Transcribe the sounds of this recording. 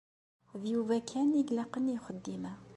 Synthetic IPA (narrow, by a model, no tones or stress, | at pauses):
ðjuvækʰæniɡlɑqənijχəd̪ːimæ